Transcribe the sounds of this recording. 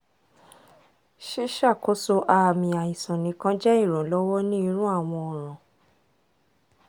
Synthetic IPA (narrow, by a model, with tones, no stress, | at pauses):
ʃi˦ʃa˦˨ko˦so˧ʔa˨mĩ˧a˨ĩ˨sɔ̃˨nĩ˨˦kã˦d͡ʒɛ˦i˦˨ɾ̃ɔ̃˨lɔ˦wɔ˦nĩ˦i˧˦ɾ̃ũ˦a˦˨w̃ɔ̃˧ɔ˨ɾ̃ã˨